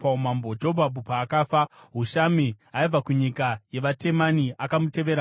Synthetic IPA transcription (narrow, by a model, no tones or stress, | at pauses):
paumambod͡ʒobʱabupaːkaːfaɦuʃamiɦaib͡vakuɲikaje̞ʋate̞maniakamute̞ʋe̞ɾa